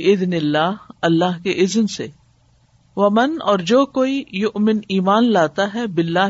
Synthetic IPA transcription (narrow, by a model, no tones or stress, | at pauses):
ʔɪd̪nɪlːaːɦɐlːaːɦkeʔɪznsḛ | ʋɐmɐnɔːɾd͡ʒoːkoːijʊʔmɪniːmaːnlaːt̪aɦɛbɪlːaː